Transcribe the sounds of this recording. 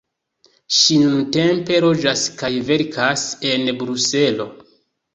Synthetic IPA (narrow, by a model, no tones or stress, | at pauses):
ʃinunte̞mpe̞ɾo̞d͡ʒaskajve̞ɾkʰase̞nbɾuse̞lo̞